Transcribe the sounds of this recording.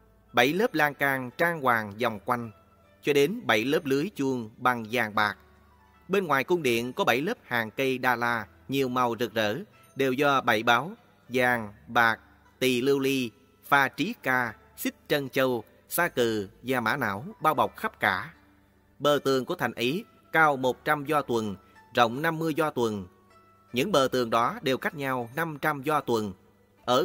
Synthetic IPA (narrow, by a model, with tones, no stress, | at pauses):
ɓə˧˩jləː˦˥p̚laː˧ŋkaː˧ŋt͡ɕaː˧ŋkwaː˨˩ŋzɔ˨˩wŋ͡mkwa˧jŋ̟ | t͡ɕɔ˧ɗe˨˦nɓə˧˩jləː˦˥p̚lɨ˨˦əjt͡ɕu˧əŋɓa˨˩ŋzaː˨˩ŋɓaː˨˩k̚ | ɓe˧nŋwaː˨˩jkʊ˧ŋ͡mɗḭ˧˨ənkɔ˨˦ɓa˧˩jləː˦˥p̚haː˨˩ŋkə˧jɗaː˧laː˧ | ɲi˨˩əwma˨˩wzɨ˨˩k̚zə̰ː˧˥ | ɗe˨˩wzɔ˧ɓə˧˩jɓaː˨˦w | zaː˨˩ŋɓaː˨˩k̚ | t̪i˨˩lɨ˧wli˧ | faː˧t͡ɕi˨˦kaː˧ | sï˦˥k̚t͡ɕə˧nt͡ɕə˧w | saː˧kɨ˨˩zaː˨˩maː˧˥na̰ː˧˥˩wɓaː˧wɓa˨˩wk͡p̚xa˦˥p̚kaː˧˩ | ɓəː˨˩t̪ɨ˨˩əŋku˧˩ət̪ʰa˨˩jŋ̟ʔi˨˦ | kaː˧wmo˨˩t̚t͡ɕa˧mzɔ˧t̪wə˨˩n | zə̰˧˨wŋ͡mna˧mːɨ˧əjzɔ˧t̪wə˨˩n | ɲɨ̰˧˥ŋɓəː˨˩t̪ɨ˨˩əŋɗɔ˨˦ɗe˨˩wka˦˥jk̟̚ɲa˧wna˧mt͡ɕa˧mzɔ˧t̪wə˨˩n | ʔəː˧˩